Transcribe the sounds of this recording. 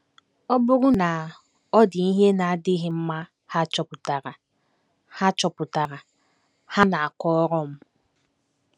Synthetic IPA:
ɔ˦bʊ˦ɾʊ˦na˨ | ɔ˦dɪ˨i˦ɦe˦na˨a˨dɪ˦ɦɪ˨m̩˦ma˦ | ha˦t͡ʃɔ˨pʊ˨ta˨ɾa˨ | ha˦t͡ʃɔ˨pʊ˨ta˨ɾa˨ | ha˦na˨a˨kɔ˦ɔ˦ɾɔ˦m̩˦

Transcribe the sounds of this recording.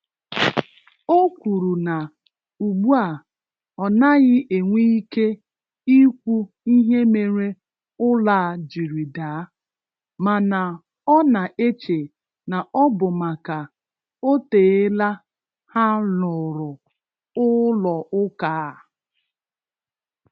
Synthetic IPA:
o˦kʷu˨ɾu˨na˨ | u˨ɡ͡bu˦a˨ | ɔ˨na˦ɣɪ˦ʔe˨ŋʷi˦ke˦ | i˦kʷu˦ | i˦ɦe˦me˨ɾe˦ | ʊ˦la˦˨d͡ʒi˨ɾi˨da˨˦ | ma˨na˨ | ɔ˦na˨ʔe˦t͡ʃe˨ | na˨ʔɔ˦bʊ˨ma˨ka˨ | o˦teː˨e˦la˦ | ha˦lʊ˨ɾʊ˨ | ʊ˦lɔ˨ʔʊ˦kaː˨˦˨

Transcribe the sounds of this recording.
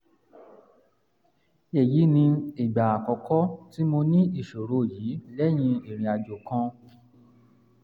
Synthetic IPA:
e˨ji˨˦nĩ˧i˨ɡ͡ba˨a˨kɔ˨kɔ˦ti˦mo˧nĩ˦i˦˨ʃo˨ɾo˨˦˨jiː˨˦lɛ˦j̃ĩ˧e˨ɾ̃ĩ˨˧a˧d͡ʒo˨kã˧

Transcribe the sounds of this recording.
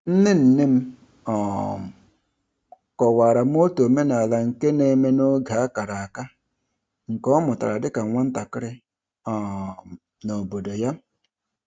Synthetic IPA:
n̩˦nɪ˦n̩˨nɪ˦m̩˦ | ɔ˨m̩˨ | kɔ˨wa˨ɾa˨m̩˦o˦to˨me˦na˨la˨ŋ̩˨ke˦ne˨˦me˦no˦ɡʱa˨a˦ka˨ɾa˨a˨ka˦ | ŋ̩˨kɔ˦mʊ˨ta̰˨ɾa˨dɪ˦ka˨ŋʷa˦n̩˦ta˨kɪ˦ɾɪ˦ | ɔ˨ | no˨bo˨do˨ja˦

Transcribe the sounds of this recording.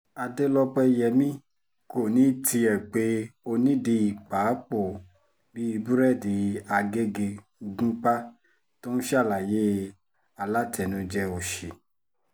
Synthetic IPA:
a˧de˦lɔ˦k͡pɛ˧˨jɛ˨mĩ˦ | ko˨nĩ˨˦ti˧ɛ˨k͡pe˧˦o˧nĩ˦de˧i˨k͡pa˨˦k͡po˦˨ | bi˦i˧bu˦ɾɛ˦˨di˨a˧ɡe˦ɡe˧ | ɡũ˦k͡pa˦ | to˦ñ̩˦ʃa˦˨la˨je˦ | a˧la˦tɛ˨nũ˧d͡ʒɛ˦o˨ʃe˨

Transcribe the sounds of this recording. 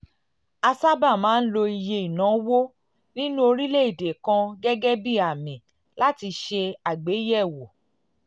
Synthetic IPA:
a˧sa˦ba˦˨mãː˨˦n̩˦lo˧i˧je˧i˨nã˨˦wo˦ | nĩ˦nũ˦o˧ɾi˦le˦i˦˨de˨kã˧ɡɛ˦ɡɛ˦bi˦a˨mĩ˨ | la˦ti˧ʃe˧a˨ɡ͡be˨˦jɛ˦˨wo˨

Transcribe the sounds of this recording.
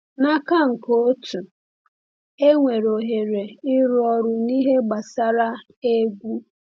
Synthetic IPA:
na˦ka˦ŋ̩˨ko˦tu˨ | e˦ŋʷe˨ɾo˨ɦe˨ɾe˨ɪ˦ɾɔ˨ɾʊ˨ni˦ɦe˦ɡ͡ba˨sa˦ɾa˦ | e˦ɡʷu˦

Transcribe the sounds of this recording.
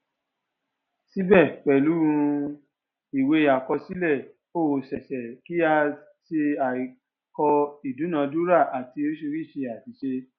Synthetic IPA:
si˦bɛ˦˨k͡pɛ˨lu˨˦ɾũ˧ | i˨we˧a˨kɔ˧si˦lɛ˦˨ | o˦˨sɛ˨ʃɛ˨ki˦a˧ | ʃe˧a˨ | kɔ˧i˨du˨˦nã˧˦du˦ɾa˦˨ʔa˨ti˧o˦ʃo˧ɾi˦˨ʃe˧a˨ti˨˦ʃe˧

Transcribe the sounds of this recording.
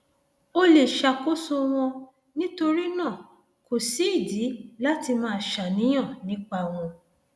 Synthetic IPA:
o˧le˨ʃa˧˨ko˦so˧w̃ɔ̃˧ | nĩ˦to˧ɾi˦nã˦˨ | ko˨si˨˦i˦˨di˨˦la˦ti˧mãː˦˨ʃa˨nĩ˨˦j̃ã˦˨nĩ˨˦k͡pa˧˨w̃ɔ̃˧

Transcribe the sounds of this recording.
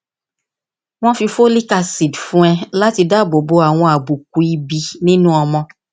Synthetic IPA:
w̃ɔ̃˦fi˧fo˦li˦ka˧si˨dfũ˦ɛ˧la˦ti˧da˦˨bo˨bo˧a˨w̃ɔ̃˧a˨bu˨k̚u˨i˧bi˧nĩ˦nũ˦ɔ˧mɔ̃˧

